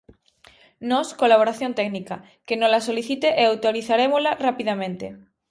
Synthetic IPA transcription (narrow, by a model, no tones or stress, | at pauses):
nɔskolaβ̞oɾaθjõnt̪ɛknika | kenõlasoliθit̪eʔeawt̪oɾiθaɾemozlarapiðamẽnt̪ḛ